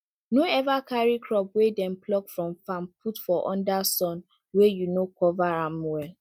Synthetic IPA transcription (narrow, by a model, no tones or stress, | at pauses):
noɛvakʰaɹikʰɹɔp̚wedɛ̃nplɔkfɹɔ̃mfãmpʰutfɔʔɔ̃ndasɔ̃n | wɛjunokʰɔvaɹãmwɛl